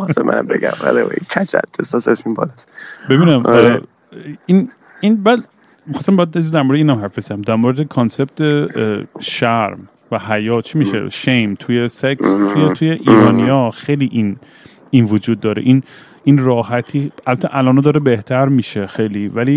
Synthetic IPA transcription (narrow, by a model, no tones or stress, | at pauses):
xɑsæ̰mæ̰næ̰mbeɡæ̰mæ̰lewḛkʰæt͡ʃʰæ̰t̪ʰːesɒsefimbɔ̰lasbe̞biːnæm | in | inbæd̪ | mixɑːst̪æmbejæd̪ezd̪æɾmoɾeiːnæmhæɾfbezææmd̪æɾmoɾed̪ekʰonseb̚t̪ʰe | ʃæɾm | væhæjɒːt͡ʃʰimiːʃḛʃejmt̪ʰujesekst̪ʰujet̪ʰujeʔiːɾɒːnijɒːxejliʔin | invod͡ʒuːd̪̚ːɒːɾḛʔin | inrɒːhæt̪ʰiːælbæt̪ʰːeʔælɒːnɑd̪ɒːɾebe̞ht̪ʰæɾmiːʃexejliːvæliː